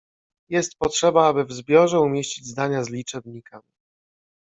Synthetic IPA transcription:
jɛst̪̚pɔtʂɛbaabɘvzbʲjɔʐɛumʲjeɕt͡ɕid͡ʑzd̪aɲazlʲit͡ʂɛbɲikamʲ

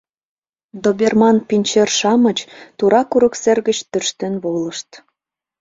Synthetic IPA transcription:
d̪obʲermɑnpinʲt͡ɕerʃɑmət͡ɕt̪uɾɑkuɾəkserɣət͡ɕt̪ørʃt̪enβoləʃt̪

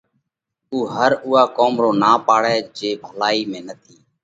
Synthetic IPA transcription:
uːɦəɾʊːaːkoːmɾoːnaːpaːɽɛːd͡ʒeːbʱəlaːiːmẽːnət̪ʰiː

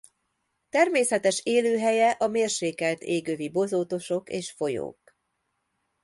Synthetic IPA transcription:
t̪ɛrmeːsɛt̪ɛʃeːløːɦɛjɛʔɒmeːrʃeːkɛlt̪eːɡøːvibo̞zoːt̪o̞ʃo̞kḛːʃfo̞jo̰ːk

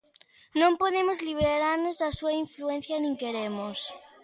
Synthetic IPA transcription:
nõmpoðemozliβ̞ɾeɾaɾnozðasuaiɱfluen̟θjanĩŋkeɾemos

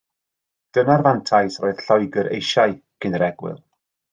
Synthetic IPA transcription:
d̥ənarvantʰajsroːɨð̥ɬɔjɡəɾʔḛjʃajkʰɨnɾɛɡwɪ̰lˠ

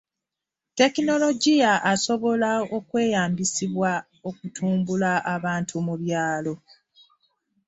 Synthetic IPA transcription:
te̞kino̞lo̞ɟijaʔaso̞βo̞lao̞kwe̞ːjaːmbisiβwa | o̞kutʰuːmbulaʔaβaːntʰumuβjaːlo̞

